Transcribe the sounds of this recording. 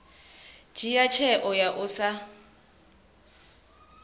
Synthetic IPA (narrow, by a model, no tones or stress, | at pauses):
d͡ʒ̥ijat͡ʃʰɛʔɔjaʔʊsa